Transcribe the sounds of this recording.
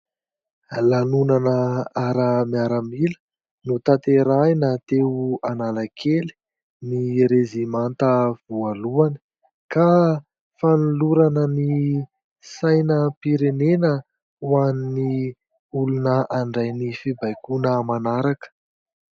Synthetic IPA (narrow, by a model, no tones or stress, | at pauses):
lanunanəaɾəmiaɾəmilə̥ | nut̪at̪eɾajnat̪ewuanaləkʰeli̥ | niɾezimant̪əv̥ualuanə̥ | ka | fanuluɾanəni | sajnəpiɾenenə | wanini | ulunəʔaɳɖ͡ʐajnifibajkunəmanaɾakə̥